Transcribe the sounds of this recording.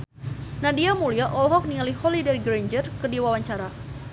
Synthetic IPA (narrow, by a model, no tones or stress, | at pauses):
nadiamuliaʔɔlɦɔk̚niŋalihɔlidɛrɡɾeɲd͡ʒərkədiwawaɲt͡ʃaɾa